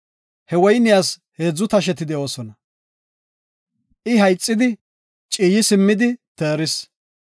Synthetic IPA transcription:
hɛwɔjnɪjaːshe̞ːd͡zːʊt̪ɐʃ̬ɛt̪ɪd̪ɛʔo̞ːsɔnɐ | ʔɪɦɐjt͡sʼːɪd̪ɪ | t͡ʃʼiːjɪsɪmːɪd̪ɪt̪eːɾɪs

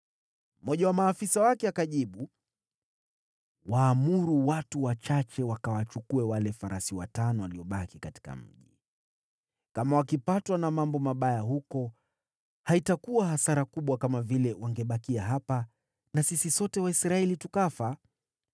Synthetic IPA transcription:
m̩mɔʄawamaːfisawakɛakaʄiɓu | waːmuɾuwatuwat͡ʃat͡ʃɛwakawat͡ʃukuɛwalɛfaɾasiwa̰tanɔwaliɔɓakikati̥ka̰m̩ʄi | kamawakipatwanamambɔmaɓajahukɔ | haitakuwahasaɾakuɓwakamavilɛwaŋɡɛɓakiaɦapa | nasisisɔtɛwaisɾaɛlitukafa

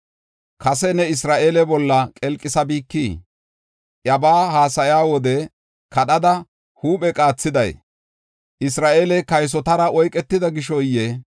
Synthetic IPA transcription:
kɐsɛnɛɪs̬ɾaːʔeːlɛbɔlːɐkʼɛlkʼːɪsɐbiːkːiː | ʔjɐbaːhaːsɐjaːwɔd̪ɛ | kɐɗɐd̪ɐ | huːpɛkʼaːt͡sːɪd̪ɐj | ʔɪs̬ɾaːʔeːlɛkɐjs̬ɔt̪ɐɾɐɔjkʼɛt̪ːɪd̪ɐɡɪʃɔjɛ

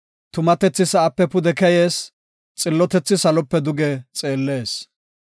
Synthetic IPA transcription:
t̪ʊmɐt̪ɛt͡sːɪsɐʔɐpːɛpʊd̪ɛkɛjeːs | t͡sʼɪlːɔt̪ɛt͡sːɪsɐlɔpːɛd̪ʊɡɛt͡sʼe̞ːlːe̞ːs

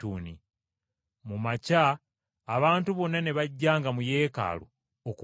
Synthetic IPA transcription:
uːni | mumacaː | βaːntuβo̞nːane̞βaɟːaːŋɡamuje̞ːka̰ːlo̰ | oku

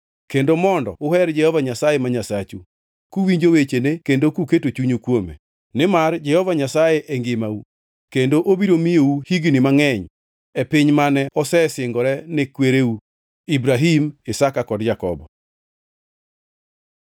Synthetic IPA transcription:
kendomɔndɔ̰ʊhɛɾd͡ʒɛhɔvaɲasajemaɲasat͡ʃu | kuwiɲd͡ʒowet͡ʃenekendokuketot͡ʃuɲokwomḛ | nɪmard͡ʒɛhɔvaɲasajeʔɛŋɡɪmau | kendoʔobiɾomijouhiɡinɪmaŋɛɲ | ɛpɪɲmanɛʔɔsɛsɪŋɡɔɾɛnɪkweɾeu | ibɾaɦimɪsakakɔdd͡ʒakɔbɔ

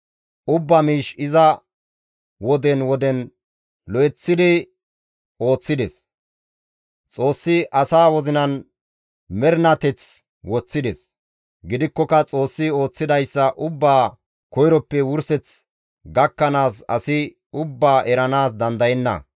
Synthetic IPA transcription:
ʔʊbːamiːʃɪzɐ | wɔd̪ɛnwɔd̪ɛn | lɔjɛt͡sːɪd̪ɪ | o̞ːt͡sːɪd̪ɛs | t͡sʼo̞ːsːɪʔɐsaːwɔzɪnɐn | mɛɾnɐt̪ɛt͡s | wɔt͡sːɪd̪ɛs | ɡɪd̪ɪkːɔkɐt͡sʼo̞ːsːɪo̞ːt͡sːɪd̪ɐjsːɐʔʊbːaː | kɔjɾɔpːɛwʊɾsɛt͡s | ɡɐkːɐnaːsɐ̰sɪ | ʊbːaːʔɛɾɐnaːs̬d̪ɐnd̪ɐjɛnːɐ̰

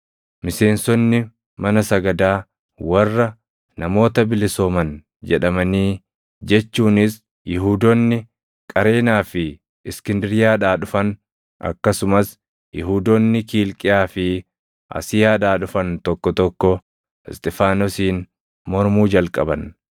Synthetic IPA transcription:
mɪse̞ːnsɔnːɪ | mɐnɐsɐɡɐd̪aː | wɐrːɐ | nɐmo̞ːt̪ɐbɪlɪsoːmɐn | d͡ʒɛᶑɐmɐniː | d͡ʒɛt͡ʃːuːnɪs | jɪɦuːd̪ɔnːɪ | kʼɐɾe̞ːnaːfɪ | ɪskɪnd̪ɪɾɪjaːᶑaːᶑʊfɐn | ʔɐ̰kːɐsʊmɐs | jɪɦuːd̪ɔnːɪkiːlkʼɪjaːfɪ | ʔɐ̰sɪjaːᶑaːᶑʊfɐnt̪ɔkːɔt̪ɔkːɔ | ɪst̪ʼɪfaːnɔsiːn | mɔɾmuːd͡ʒɐlkʼɐbɐn

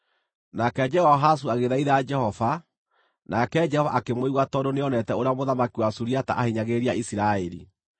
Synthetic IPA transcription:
nakɛd͡ʒɛhɔɦas̬uaɣeðaiðaad͡ʒɛhɔva | nakɛd͡ʒɛhɔva̰ʔːkemoiɣwatɔdoneɔnɛtɛoɾeamoðamakiwasuɾiata̰ʔahiɲaɣeɾiaʔisiɾaeɾḭ

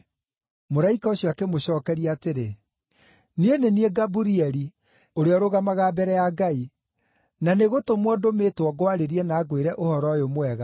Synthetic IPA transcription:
moɾaikaoɕjɔakemoɕɔːkɛɾiaːteɾe | nienenieɡabuɾiɛɾi | oɾeɔɾoɣamaɣaːbɛɾɛjaɡai | naneɣotomwɔdometwɔɡoaɾeɾiɛnaːɡweɾɛʔohɔɾɔjomowɛɣa

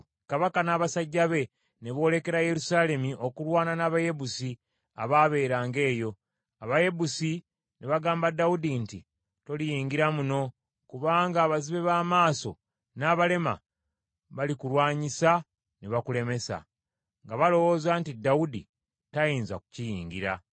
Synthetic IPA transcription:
kaβakanaːβasaɟːaβe̞ | ne̞βo̞ːle̞ke̞ɾaje̞ɾusaːle̞miʔo̞kulwaːnanaːβaje̞busi | a̰βaβe̞ːɾaːŋɡe̞ːjo̞ | aβaje̞busi | neβaɡaːmbadːawudinti | to̞lijiːŋɡiɾamuno̞ | kuβaːŋɡaːβaziβe̞βaːmaːso | naːβale̞ma̰ | βalikuɾwaːɲisa | neβakule̞me̞sa̰ | ŋɡaβalo̞wo̞ːzantidːaudḭ | tajiːnza̰ku̥cijḭːɲɡḭɾa̰

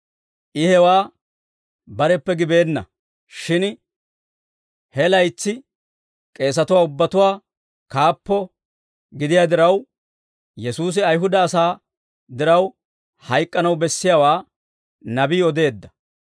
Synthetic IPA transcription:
ʔɪhɛwaː | bɐɾɛpːɛɡɪbe̞ːnːɐ̰ | ʃɪn | hɛlɐjt͡sːɪ | kʼe̞ːs̬ɐt̪ʊwaːʊbːɐt̪ʊwaː | kaːpːɔ | ɡɪd̪ɪjaːd̪ɪɾɐw | jɛsuːs̬ɪɐjɦʊd̪ɐːsaː | d̪ɪɾɐw | hɐjkʼːɐnɐwbɛsːɪjawaː | nɐbiːɔd̪e̞ːd̪ːɐ̥

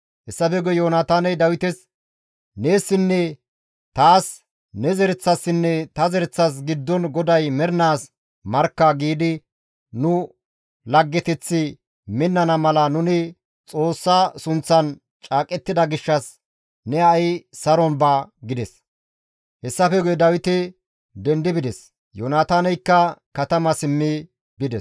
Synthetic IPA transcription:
hɛsːɐfɛɡɔjoːnaːt̪aːnɛjd̪ɐwɪt̪ɛs | ne̞ːsːɪnːɛ | t̪aːs | nɛzɛɾɛt͡sːɐsːɪnːɛt̪ɐzɛɾɛt͡sːɐs̬ɡɪd̪ːɔnɡɔd̪ɐjmɛɾnaːs | mɐɾkːɐɡiːd̪ɪ | nʊ | lɐɡːɛt̪ɛt͡sːɪ | mɪnːɐnɐmɐlɐnʊnɪ | t͡sʼo̞ːsːɐsʊnt͡sːɐn | t͡ʃʼaːkʼɛt̪ːɪd̪ɐɡɪʃːɐs | nɛɐjsɐɾɔnbɐɡɪd̪ɛs | hɛsːɐfɛɡʊjɛd̪ɐwɪt̪ɪ | d̪ɛnd̪ɪbɪd̪ɛs | joːnaːt̪aːnɛjkːɐkɐt̪ɐmɐsɪmːɪ | bɪd̪ɛs

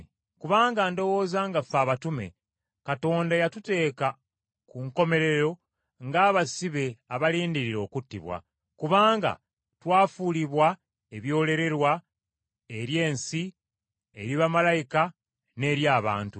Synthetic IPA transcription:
kuβaːŋɡaːndo̞wo̞ːzaŋɡafaːβatume̞̰ | kato̞ːndajatute̞ːka | kuŋko̞me̞ɾe̞ɾo̞ | ŋɡaːβasiβe̞aβaliːndiɾiɾo̞ːkutːḭβwa̰ | kuβaːŋɡa̰ | twaːfuliβwa | e̞βjo̞ːle̞ɾe̞ɾwa | eɾje̞ːnsi | eɾiβamalajika | ne̞ːɾjaːβa̰ːntu

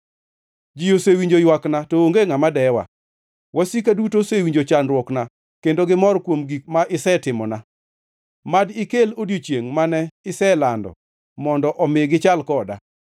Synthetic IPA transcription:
d͡ʒijosewiɲd͡ʒojwaknatooŋɡeŋamadɛwa̰ | wʔasikadutosewiɲd͡ʒot͡ʃanɾwɔkna | kendoɡɪmɔɾkwomɡik̚maʔɪsɛtɪmɔna | madɪkelodjot͡ʃjeŋmanɛɪsɛlandɔ̰ | mɔndɔʔɔmɪɡɪt͡ʃalkɔda̰

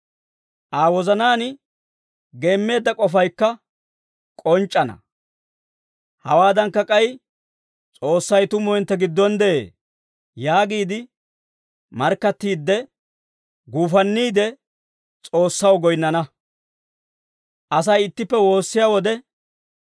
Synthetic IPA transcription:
ʔaːwɔzɐnaːn | ɡe̞ːmːe̞ːd̪ːɐkʼɔfɐjkːɐ | kʼɔnt͡ʃʼːɐnɐ̰ | hɐwaːd̪ɐŋkːɐkʼɐj | t͡sʼo̞ːsːɐjt̪ʊmːɔɛnt̪ːɛɡɪd̪ːɔnd̪ɛḛː | jaːɡiːd̪ɪ | mɐɾkːɐt̪ːiːd̪ːɛ | ɡuːfɐnːiːd̪ɛ | t͡sʼo̞ːsːɐwɡɔjnːɐnɐ | ʔɐs̬ɐjɪt̪ːɪpːɛwo̞ːsːɪjaːwɔd̪ɛ

